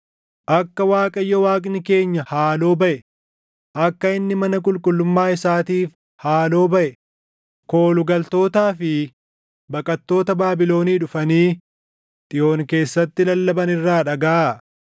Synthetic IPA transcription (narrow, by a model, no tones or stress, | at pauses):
ʔɐkːɐwaːkʼɐjːɐwaːkʼnɪke̞ːɲːɐhaːlo̞ːbɐʔɛ | ʔɐkːɐɪnːɪmɐnɐk̬ʼʊlkʼʊlːʊmːaːɪsaːt̪iːf | haːlo̞ːbɐʔɛ | ko̞ːlʊɡɐlt̪o̞ːt̪aːfɪ | bɐkʼɐt̪ːo̞ːt̪ɐbaːbɪlo̞ːniːᶑʊfɐniː | t̪ʼɪjʔo̞ːnke̞ːsːɐt̪ːɪlɐlːɐbɐnɪrːaːᶑɐɡaa